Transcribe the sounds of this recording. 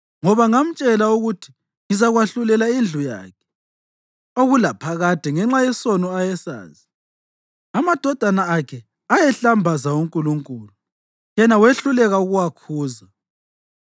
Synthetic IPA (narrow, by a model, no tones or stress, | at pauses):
ŋɔβaŋam̩t͡ʃʼɛlauɣutʰi̥ | ŋizaɣwaɬulɛlaind͡ɮʱuja̰ːkʰɛ̥ | oɣulapʰaɣad̥ʱɛŋɛŋ͡ǁajɛsɔnɔajɛsa̰ːzi | amad̥ʱɔd̥ʱanaːkʰɛ | ajɛɬambʱazauŋkʼuluŋkʼuːlu | jɛnaweɬulɛɣauɣuwakʰuːza